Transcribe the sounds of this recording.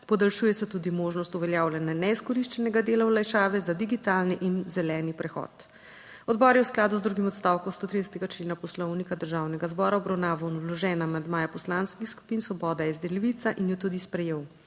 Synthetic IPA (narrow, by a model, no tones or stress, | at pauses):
pɔd̪alʃuːjɛsɛt̪uːd̪imoːʒnɔst̪uʋɛljaːwlʲananɛiskɔɾiʃt͡ʃɛnɛɡad̪eːlawlajʃaːʋɛzad̪iɡit̪alniʔinzɛlɛːnipɾɛxɔ̰ːt̪ | ɔd̪bɔːɾjɛwsklaːd̪uzd̪ɾuɡimɔt̪st̪awkɔst̪oːt̪ɾid̪ɛsɛ̥t̪ɛɡat͡ʃleːnapɔslɔwnikad̪əɾʒawnɛɡazbɔːɾaɔbɾawnaːʋanulɔʒɛːnamand̪maːjapɔslanskixsku̥pinsʋɔbɔːd̪ajɛzd̪ɛliʋit̪saʔinjɔt̪uːd̪ispɾɛjeːw